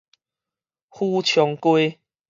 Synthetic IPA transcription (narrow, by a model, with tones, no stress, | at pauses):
hu˦t͡ɕʰjɔ˧˦ŋkwe˦